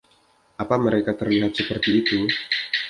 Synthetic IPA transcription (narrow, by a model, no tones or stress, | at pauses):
ʔapaməɾekat̪ərliɦat̪̚səpərt̪iːt̪u